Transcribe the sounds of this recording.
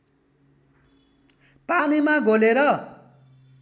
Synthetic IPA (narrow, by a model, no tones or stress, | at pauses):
panimaɡʱoleɾʌ